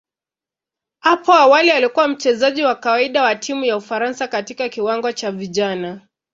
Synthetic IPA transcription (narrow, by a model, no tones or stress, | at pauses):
hapɔawalialikuwam̩t͡ʃɛzaʄiwakawaiɗawatʰimujaufaɾansakatikakiwaŋɡɔt͡ʃaviʄana